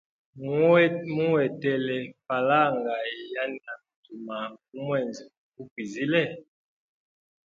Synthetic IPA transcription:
m˦mu˦wɛ˨tɛ˨lɛ˨pa˨la˦ŋɡa˨ja˦na˨tu˨ma˨u˦mwɛ˦˨nz | ku˦kwi˨zi˦lɛ˦˨

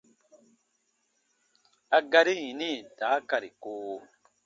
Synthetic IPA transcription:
a˨ɡa˦ɾi˦jĩ˨ni˦˨daː˨˦ka˨ɾi˨koː˦

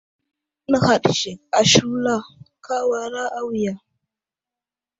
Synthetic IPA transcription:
na˨ha˨ɗʃe˨a˨ʃu˦la˦˨kʰa˦wa˨ɾa˦ʔa˦wja˨

